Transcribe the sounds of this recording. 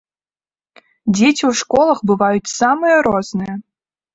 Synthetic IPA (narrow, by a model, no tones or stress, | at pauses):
dʲetʲiuʂkolˠɤ̆xbɨvɑjut̪sɑmɨjəɾoznɨjə